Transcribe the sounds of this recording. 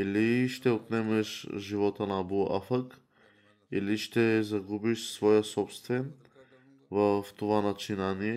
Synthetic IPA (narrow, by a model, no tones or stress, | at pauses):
iliʃt̪ɛot̪nɛmɛʃʒivɔt̪ənabua̰fək | iliʃt̪ɛzɐɡubiʃsvɔjəsɔpst̪vɛn | vəft̪ovanɐt͡ʃinaniɛ